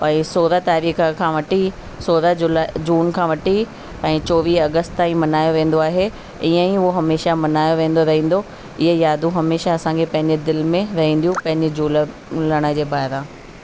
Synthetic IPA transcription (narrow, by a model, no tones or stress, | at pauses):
ɛ̃ːsoːɾat̪aːɾiːxəkʰãːʋɐʈi | soːɾad͡ʑʊlad͡ʑuːnkʰãːʋɐʈi | ɛ̃ːt͡ɕoːʋiːɐɡəst̪t̪ãːĩmɐnaːjoʋẽːn̆d̪oaːɦe | ɪə̃ĩʊɦoɦɐmeːʃamɐnaːjoʋẽːnd̪oɾɐɦĩːn̆d̪o | ɪɦəjaːd̪ʱũɦɐmeːʃaɐsãkʰepɐ̃ɦɪ̃ɲd͡ʑed̪ɪlmẽɾɐɦĩːnd̪ijũpɐ̃ɦɪ̃ɲd͡ʑɪd͡ʑuːl | ləɽ̃ə̆d͡ʑeːbaːɪɾãː